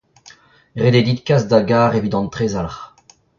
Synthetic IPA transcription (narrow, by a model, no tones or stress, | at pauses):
ʁed̪ed̪it̪kasd̪aɡaːʁevit̪ɑ̃nt̪χezalaχ